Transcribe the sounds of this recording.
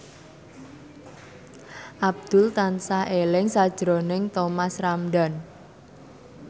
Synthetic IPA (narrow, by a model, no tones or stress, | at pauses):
ʔab̚d̪̥ʊ̤lt̪ansaʔelɪŋsad̥ʒ̥ɾonɪŋt̪omasramɖan